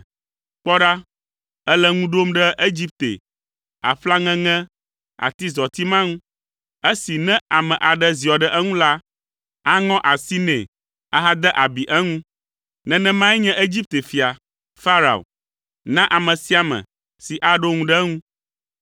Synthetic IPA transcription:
k͡pɔ˦ɖa˦ | ə˦lɛ˦ŋũ˦ɖo˦mɖɛ˦ʔe˦d͡ʑi˦p̚t̪ḛ˨ | a̰˨ɸla˦ŋɛ̃˦ŋɛ̃˦ | a̰˨t̪i˦zɔ˨t̪i˦mã˦ŋũ˦ | e˦si˨nɛ̃˦a˨mɛ̃˨ʔa˨ɖɛ˦zi˨ɔ˨ɖɛ˦ʔɛ˦ŋũ˦la˦ | a˦ŋɔ̃˦ʔa˨si˦nɛ̃˨ | a˦ɦa˦d̪ɛ˦ʔa˨bi˨ʔɛ˦ŋũ˦ | nɛ̃˨nɛ̃˦mã˦ɛ˦ɲɛ̃˦ʔe˦d͡ʑi˦p̚t̪e˨fi˨a˨ | fa˦ɾa̰˨o̰˨ | nã˦ʔa˨mɛ̃˨si˦a˨mɛ̰̃˨ | si˨ʔa˦ɖo˦ŋũ˦ɖɛ˦ŋũ˦

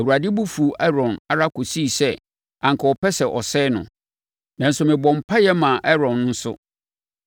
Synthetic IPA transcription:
æ˨wu˨a˨dɪ˦bu˦fu˨ɛ˦ɾɔ̃˨na˨ɾa˦kʰo˨si˦˨sɛ˦ | ã˨ŋkʰa˨ɔ˨pɛ˦sɛ˨ʔɔ˨sɛː˦nʊ̰̃˨ | nã˨n̩˦sʊ˦mɪ̃˨bɔ̃˨m̩˨pʰa˦jɛ˦mã˨ʔɛ˦ɾɔ̃˨n̩ː˦sʊ̰˦

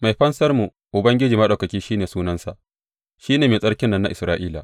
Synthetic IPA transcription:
ma˨jɸɐ˦nsɐ˦rmu˨ | ʔʊ˨bɐ˦ŋɡʲɪ˦d͡ʒiː˨mɐ˦ɗa˨wkɐ˨kʲiː˦ʃiː˦neː˨suː˦nɐ˦nsa˨ʔ | ʃiː˦neː˨meː˨sʼɐ˦ɽkʲɪ˦nːɐ˦˨nːa̰˦ʔɪ˨sɾaː˦ʔiː˦la̰˨

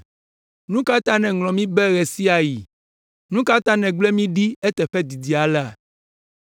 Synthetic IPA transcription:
nũ˦ka˦t̪a˦nɛ̃˨ŋlɔ̃˨mĩ˦bɛ˦ɣɛ˨si˦a˨ji˨ | nũ˦ka˦t̪a˦nɛ̃˨ɡ͡blɛ˦mĩ˦ɖi˦ɛ˦t̪ɛ˨ɸɛ˦d̪i˨di˨a˨la˦˨

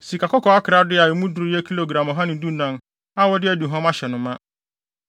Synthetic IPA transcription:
si˨ka˨kɔ˦kʰɔ˨a˦kʰɪ˨ɾa˦dɪ˦a˨ɪ˨mũ˦du˨ɾjɛ˦kʰi˦lo˨ɡɾã˨mɔ˨ɦã˦nɪ̃˨n˦du˦nã˨n | a˦wɔ˦dɪ˦æ˦du˨ɦɔ̃˦ma˦ɕɛ˨nʊ̃˨mã˦

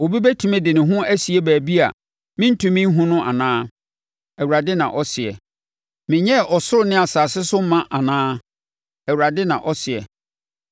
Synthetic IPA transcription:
o˨bi˦bɛ˦tʰũ˨mɛ̃˦dɪ˨nɪ̃˨ɦʊ̃˦æ˦si˨e˦bæː˨bi˦a̰˨ | mɪ̃˦n̩˦tʰũ˦mɪ̃˦n˦ɦũ˦nʊ̃˦ʔa̰˨nãː˦ | ɛ˨wu˨ɾa˨dɪ˦nã˨ʔɔ˦sɪ˨ɛ̰˨ | mɪ̃˨ɲɛ˦˨ʔɔ˨sʊ˦ɾʊ˨nɪ̃˦a˨saː˨sɪ˦sʊ˦mã˦ʔa˨nãː˦ | ɛ˨wu˨ɾa˨dɪ˦nã˨ʔɔ˦sɪ˨ɛ̰˨

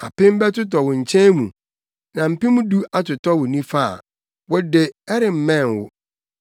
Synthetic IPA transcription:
a̰˨pɪ̃˦m˦bɛ˦tʊ˦t̬ɔ˨wʊ̃˨ɲ̩˨t͡ɕʰɛ̃˦mṵ̃˨ | nã˨m̩˨pĩ˦mũ˦du˦a˨tʊ˨tɔ˦wʊ˨nĩ˦fa̰˦˨ | wɔ˦dɪ˨ɛ˦ɾɪ˨m̩˨mɛ̃˦˨nwʊ̰˦

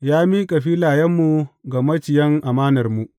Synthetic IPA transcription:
jaː˦mi˦kʼɐ˨ɸiː˦laː˨jɐ˦mːu˨ɡa˨mɐ˦t͡ʃɪ˨jɐ˦ŋʔa˨maː˦nɐ˨rmu˨ʔ

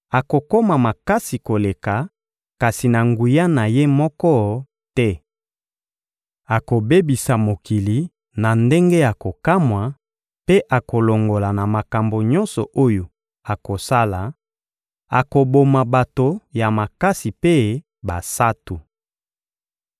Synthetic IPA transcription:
a˨ko˨ko˦ma˨ma˨ka˦si˨ko˨le˨ka˨ | ka˨si˨na˨ŋɡu˨ja˦na˨je˦mɔ˦kɔ˦ | tɛ˦ | a˨ko˨be˦bi˨sa˨mo˨ki˨li˨ | na˨nde˦ŋɡe˦ja˨ko˨ka˦mwa˨ | pe˦ʔa˨ko˨lo˨ŋɡo˨la˨na˨ma˨ka˨mbo˨ɲɔ˦nsɔ̰˨ʔo˦jo˨ | a˨ko˨sa˦la˨ | a˨ko˨bo˨ma˨ba˨to˨ja˨ma˨ka˦si˨pe˦ | ba˨sa˦tu˨

